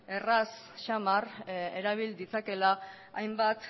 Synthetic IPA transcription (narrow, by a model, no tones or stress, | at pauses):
e̞rasː | amareɾaβ̞ild̪it͡sake̞laː | jmbat̪